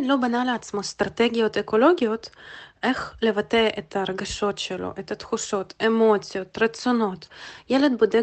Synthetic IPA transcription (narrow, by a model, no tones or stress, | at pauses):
lo̞banaleat̪smost̪ɾat̪eɡʲijo̞t̪eko̞lo̞ɡʲijo̞t̪exlevat̪eʔet̪ʰaɾeɡaʃo̞t̪ʃelo̰ʔet̪ɐt̪xuʃo̞t̪emo̞t̪sijo̞t̪ɾasono̞t̪jeled̪̚bod̪e